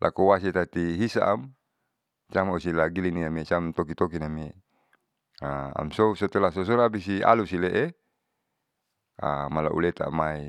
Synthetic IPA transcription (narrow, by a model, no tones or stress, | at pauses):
lʔa̰kowas̬et̪at̪iɦisaʔam | t͡ʃamosilaɡiliniamiet͡ʃamt̪ok̬it̪ok̬inamie | aa̰msosot̪olasos̬oɾapisia̰lusileʔe | a̰mala̰ʔṵlet̪a̰mai